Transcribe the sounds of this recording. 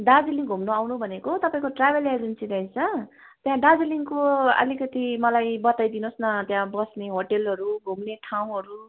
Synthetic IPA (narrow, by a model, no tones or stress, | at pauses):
ɖad͡ziliŋɡʱumnoawnubʱʌnekot̪ʌpaĩkoʈrabʱelad͡zunt͡sĩdʌjt͡sʰʌ | t̪jãɖad͡ziliŋkoʌ̰likʌt̪imʌlajbʌt̪ajd̪inosnʌt̪jãbʌsneɦoʈelɦʌɾuɡʱumneʈʰaw̃ɦʌɾu